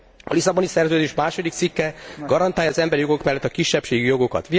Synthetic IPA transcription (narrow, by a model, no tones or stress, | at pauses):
ɒ̰lisɒbo̞nisɛrzøːd̪eːʃmaːʃo̞d̪ik̚t̪sikːɛɡɒɾɒnt̪aːjɒːzɛmbɛɾijo̞ɡo̞kmɛlːɛt̪ːɒkiʃːɛpʃeːɡijoɡo̞kɒ̰t̪ʋi